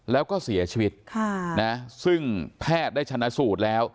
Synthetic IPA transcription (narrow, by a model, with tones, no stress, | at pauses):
lɛː˦˥wkɔː˥˩si˩˦ɐt͡ɕʰiː˧wi˦˥t̪̚kʰa˥˩na˦˥sɯ˥˩ŋpʰɛː˥˩t̪̚d̪aː˥˩jt̪ʰa˧nːa˦˥suː˨˩t̪̚lɛː˦˥w